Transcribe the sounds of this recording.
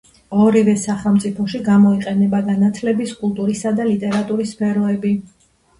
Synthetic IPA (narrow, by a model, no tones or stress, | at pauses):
ɔɾivɛsaχɛlˠmt̪sʼipʰɔʃiɡamɔiqʼɛnɛbaɡanat̪ʰlɛbiskʼulˠt̪ʼuɾisad̪alit̪ʼɛɾat̪ʼuɾisːpʰɛɾɔɛbi